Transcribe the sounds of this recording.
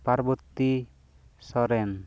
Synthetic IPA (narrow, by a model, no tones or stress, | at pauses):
paɾbut̪ːi | sɔɾɛn